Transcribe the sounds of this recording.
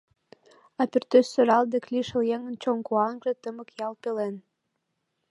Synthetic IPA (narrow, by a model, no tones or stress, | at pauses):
ɑpyrt̪øssøɾɑld̪ekliʃə̆ljeŋənt͡ɕoŋkuɑŋʒĕt̪əməkjɑlpelen